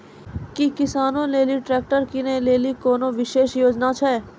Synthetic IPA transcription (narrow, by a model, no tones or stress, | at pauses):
kikɪsaːnõleːliʈɾɛːk̚ʈəɾkinəĩleːlikoːnõʋɪʃeːʃjoːd͡ʒnat͡ʃʰɛː